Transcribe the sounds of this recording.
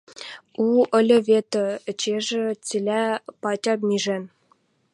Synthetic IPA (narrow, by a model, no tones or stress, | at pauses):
uə̆lʲɤ̆βʲet̪ɤ̆ət͡ɕeʒĕt͡sʲilʲæpɑt͡ɕʲɑpmʲiʒen